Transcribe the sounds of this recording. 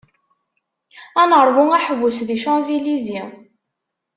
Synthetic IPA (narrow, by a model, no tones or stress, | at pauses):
ænəɾˤwʊŋæħəvusðiʃɑnzilizi